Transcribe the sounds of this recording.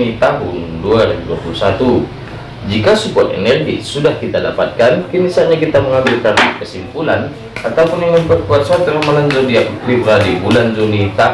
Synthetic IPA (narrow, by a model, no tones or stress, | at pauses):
it̪aɦunduaɾibuduapulusat̪u | d͡ʒikasupuat̪ɛ̰nɛrɡisudahkit̪adapat̪̚kankənisaɲakit̪aməŋambilkankəsimpulan | at̪aupunjaŋanpərkuat̪̚sat̪ulahmaland͡ʒɔdiakklibɾadibuland͡ʒɔnit̪a